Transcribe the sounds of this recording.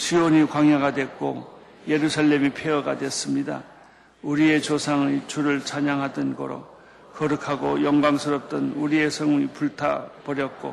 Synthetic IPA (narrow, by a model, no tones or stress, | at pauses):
ɕʰioɲikwaŋjaɡadwe̞k̚k͈o̰ | je̞ɾusʰaʎːe̞mipʰeʌɡa̰dwe̞s͈ɯmɲida̰ | uɾie̞t͡ɕosʰaŋɯt͡ɕuɾɯɭt͡ɕaɲaŋɦadʌnɡʌ̰ɾo̰ | kʌɾɯkʰaɡojʌŋɡaŋsʰɯɾʌp̚t͈ʌnuɾie̞sʰʌŋuɲipuɭtʰa̰pʌɾjʌt̚k͈o̰